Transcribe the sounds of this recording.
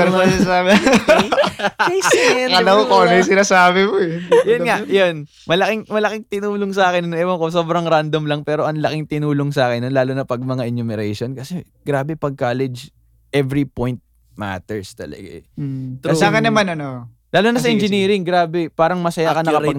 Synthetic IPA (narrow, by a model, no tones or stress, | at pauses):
ɛɾosɪsaːbɛ | kɐlɐwokonɐjsɪnasaːbɪmoɛjʊnŋajon | mɐlɐkɪŋmɐlɐkɪŋt̪ɪnuːloŋsɐaːkɪnnŋɛmɐkoso̞ːbɾɐŋɾand̪omlɐŋpɛːɾo̞ʔɐŋlɐkɪŋt̪ɪnuːloŋsɐaːkɪnːonlaːlonɐpɐɡ̚mɐŋaʔɪnʊmɛɾɛjʃonkɐsɛ | ɡ̥ɾaːbɛpɐɡ̚kaːlɛd͡ʒ | ʔɛvɾipojnt̪̚ | ma̰t̪ɛɹst̪ɐ̰lɐ̰ɡa̰ɛt̪ɐsaːŋɐnɐmanɐno | laːlonɐsɐʔɛnd͡ʒɪniːɾɪŋɡɾaːbɛpaːɾɐŋmɐsɐjaːkɐnɐkɐ